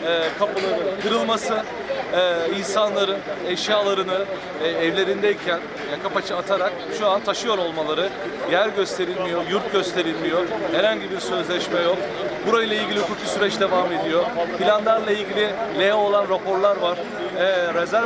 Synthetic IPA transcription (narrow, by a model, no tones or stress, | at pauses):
ɛkʰapulˠaɯkʰɯɾɯlˠmasɯ | insanlˠaɾɯnɛʃjaːlˠaɾɯnɯ | ɛvlʲe̞ɾind̪ɛicʰæn | jakʰapat͡ʃʰɯat̪ʰaɾak̚ | ʃuant̪ʰaʃɯjo̞ɾo̞lˠmalˠaɾɯ | jæɾɟø̞st̪ʰe̞ɾilʲmijo̞juɾt̪̚ɟø̞st̪ʰe̞ɾilʲmijo̞hɛɾhaɲɟibiɾsø̞zlʲɛʃmɛjo̞k | buɾajlˠailʲɟʲilʲiukʰuk̪ʰu̥syɾɛt͡ʃd̪e̞vame̞d̪ijo̞filʲand̪æɾlˠailʲɟilʲɪlʲejɛo̞lˠanɾapʰo̞ɾlˠaɾvaɾ̥ | ɛːɾezæ